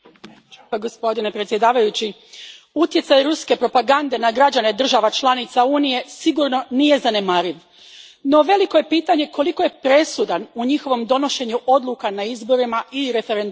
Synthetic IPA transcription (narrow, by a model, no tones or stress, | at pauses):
aɡo̞spo̞d̪ine̞pɾet̪sje̞d̪aːʋajut͡ɕi | ut̪jesajɾuske̞pɾo̞paɡand̪e̞naɡɾad͡ʑane̞d̪r̩ʒaʋat͡ʃlˠanit̪sauːnije̞siɡuːɾno̞nije̞zane̞maɾiʋ | no̞ʋe̞liko̞je̞piːt̪aɲe̞ko̞likoje̞pɾe̞sud̪anuɲixo̞ʋo̞md̪o̞no̞ʃe̞ɲuʔo̞d̪lukanaizbo̞ɾimaiɾe̞fe̞ɾend̪